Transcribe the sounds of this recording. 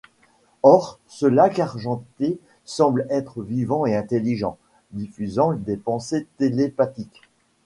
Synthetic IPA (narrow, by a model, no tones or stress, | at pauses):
ɔʁsəlakaʁʒɑ̃t̪e | sɑ̃blɛt̪χəvivɑ̃eɛ̃t̪eliʒɑ̰̃ | d̪ifyzɑ̃d̪epɑ̃set̪elepat̪ik